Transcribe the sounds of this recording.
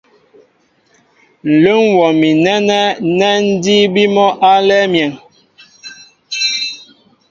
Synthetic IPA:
n̩˨lo˦ŋwɔ˨mi˨nɛ˦nɛ˦nɛ˦n̩˦di˦bi˦mɔ˦ʔa˦lɛ˦mjɛ˨ŋ

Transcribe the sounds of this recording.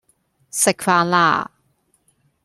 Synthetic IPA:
sɪ˨kfaː˧nla̰ː˥˩

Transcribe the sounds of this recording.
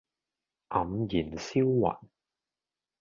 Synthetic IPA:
ʔɐ˨˧mjiː˨˩nsiː˥wwɐ̰˨n

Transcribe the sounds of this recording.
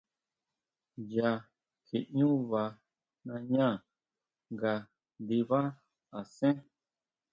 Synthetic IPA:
ja˧ | kʰi˨ɲũ˦βa˧ | nã˧ɲã˦˨ | ŋɡa˧ | nd̪i˧βa˦ | a˨sẽ˦

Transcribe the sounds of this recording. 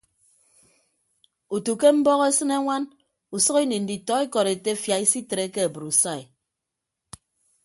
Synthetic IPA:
u˨tu˨ke˦m̩˦bɔ˦ɣe˦sɨ˦ne˦ŋʷa˦n | u˨sɔ˦ɣi˦ni˨n̩˨di˨tɔ˨˦e˦kɔ˨ɾe˨te˦fja˨i˦si˦te˨ɾe˦ke˦a˨bɨ˨ɾu˨sa˦˨i˨

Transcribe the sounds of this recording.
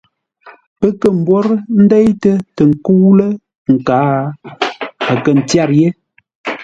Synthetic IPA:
pə˦kə˨m̩˦bwo˦ɾn̩˦dɛ˦jtə˦tə˨ŋ̩˨ku˦lə˦ | ŋ̩˨ka˨˦ | a˨kə˨n̩˨tja˦˨ɾje˦

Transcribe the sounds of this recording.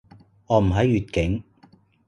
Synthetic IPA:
ŋɔː˨˧m̩˨˩ɦɐ˨˥jːyː˨t̚kɪ˨˥ŋ

